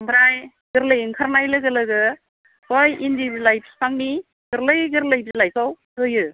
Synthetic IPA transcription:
bɾaj | ɡ̥ɯɾlɯjɯŋkʰaɾnajlɯɡɯlɯɡɯ | bojindiblajpʰspʰaŋni | ɡ̥ɯɾlɯjɡɯɾlɯjbilajkʰaw | ɯjɯ

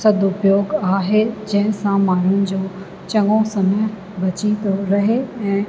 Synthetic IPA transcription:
sɐd̪ʱʊpjoːɡaːɦed͡ʑɐ̃ɦɪ̃sãmaːɳ̤ʊnɪ̆d͡ʑoː | t͡ɕɐ̃ŋɡõsɐməj | bɐt͡ɕit̪oɾɐɦeɛ̃ː

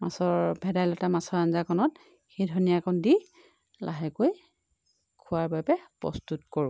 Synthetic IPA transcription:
masɔbʱɛdajlɔtamasɔɹanzakʰɔnɔt | xejdʱɔnijakɔndi | lʔa̰ɦɛkoj | kʰʊwaɹbajbɛpɹɔ̰stutkoɹʊ̃

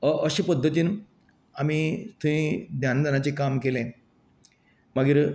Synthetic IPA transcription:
əʔəɕipəd̪ʱːət̪iːn | amit̪ũʋĩd̪jand̪ʱanat͡ɕekamkelẽ | məɡiːɾ

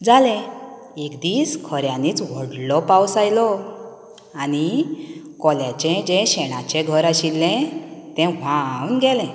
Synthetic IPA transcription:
d͡zalɛ̃ | ekd̪iːskʰəɾjãniːt͡sʋɔɽlɔpawsajlɔ | ani | kɔljat͡ɕɛ̃d͡ʑɛ̃ɕɛɽ̃at͡ɕɛ̃ɡʱəɾaɕilːɛ̃t̪ɛ̃ʋ̤ãunɡɛlɛ̃

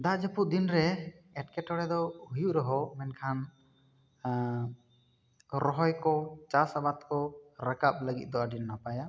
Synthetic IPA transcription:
d̪ad͡ʒəpuʔ̚d̪inɾɛɛʈkɛʈɔɽɛd̪ɔɦujuʔɾɔɦɔmɛnkʰan | ɾɔɦɔjkɔt͡ʃasabat̪kɔɾakap̚ləɡḭt̪̚ˀd̪ɔaɖinːapaja

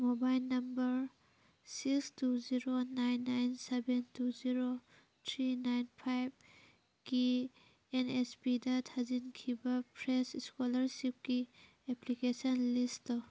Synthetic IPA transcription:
mobajlnɐmbɐɾ | sikstuziɾonajnːajnsebentuziɾo | tʰɾinajnpʰajb̚ | ki | enespidɐtʰazinkʰibɐpʰɾesiskolɐɾsip̚ki | eplikesɔnlisɔ

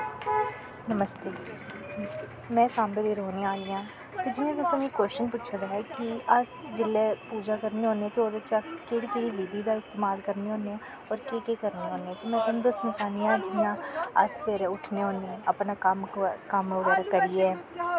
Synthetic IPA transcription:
nəməst̪eː | mɛ̃ːsãːmɾeːd̪eːɾoːneaːliːãː | t̪eːd͡ʒɪnːẽːt̪̬ʊsnĩkwɛːst͡ʃənpʊtːt͡ʃʰad̪aːɦɛːkiəsd͡ʒɪleːpuːd͡ʒaːkəɾneɦoːneɛ̃ːt̪eoːɪt͡ʃəskeɽkeɽiːliːd̪iːd̪aːɪst̪eːmaːlkəɾneːɦõːneːɛ̃ | ɔːɾkeːkeːkəɾneːɦoːneːɛ̃ːt̪eːmɛ̃ːt̪ʊnũd̪əsnãːt͡ʃaːnd̪iːãːd͡ʒɪnãːə̰sʋeːɾeʊʈʰneɦoːneəpnaːkəmkəmʊɡəɾakəɾiːɛː

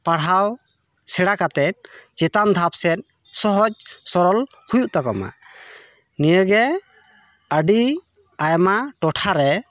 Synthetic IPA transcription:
paɽɦaw | sɛɽakat̪ɛt̪̚ˀt͡ʃɛt̪and̪ʱap̚sɛt̪̚ˀ | sɔɦɔd͡ʒsɔɾɔl | hujuʔt̪ɔkɔma̰ | nijəɡɛ | əɖi | ajmaʈɔʈʰaɾɛ

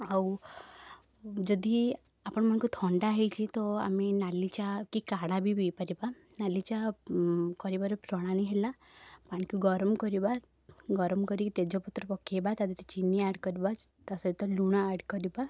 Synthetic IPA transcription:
aw | d͡zɔd̪ʱi | apəɳm̤aɳ̃kut̪ʰɔɳɖaɦet͡ɕit̪ɔa̰minalːit͡ɕakikaɽabʱibipəɾiba | nalit͡ɕa | kɔɾibaɾpɾɔɽ̃aɽ̃iɦela | paɳkuɡɔɾəmkɔɾiba | ɡɔɾəmkəɾikit̪ed͡ʑɔpət̪ːɾəpɔkːebat̪ad̪it̪it͡ɕinːiaɽkəɾibat̪asait̪əluɳ̃aːɽkəɾiba

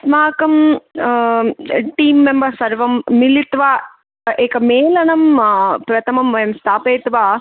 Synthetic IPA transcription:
smaːkɐm | ʈiːmːembɐsɐɾʋɐmːilit̪ʋaː | eːkɐmeːlɐnɐmpɾɐt̪ʰɐmɐmʋɐjɐmst̪ʰaːpeːt̪ʋaː

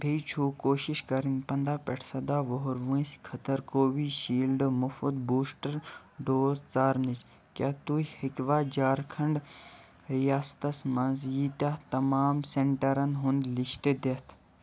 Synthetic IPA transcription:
bʱejt͡ʃʰuːkoːʃiʃkɐɾinpɐnd̪aːpɛʈʰsɐd̪aːʋoɦoɾʋũskʰɐt̪ɐɾkoːbiːʃiːlɖmufud̪buːsʈɐɾ | ɖoːzt͡saːɾnit͡ʃ | kʲaːt̪uhikʋaːd͡ʒaːɾkʰɐɳɖ | ɾijaːst̪ɐsmɐnzjiːt̪aːt̪ɐmaːmseɳʈɐɾɐnɦʊ̃nd̪liʃʈed̪et̪ʰ

